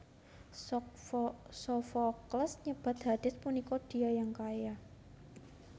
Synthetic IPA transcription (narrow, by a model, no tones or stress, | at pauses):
sɔfɔkləsɲəb̥a̤t̪̚had̪̥ɪspunikɔd̥iajaŋkaja